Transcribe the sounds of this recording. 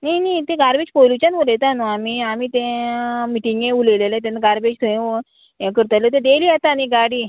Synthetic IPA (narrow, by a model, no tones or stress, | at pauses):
nanit̪ẽɡaɾbet͡ɕpojlut͡ɕanʋolet̪anuamiamit̪ẽmiʈiŋɡẽulelelet̪ẽnaɡaɾbed͡ʑt̪ʰə̃ | kəɾt̪alot̪̬ẽɖeliat̪aniɡaɽiː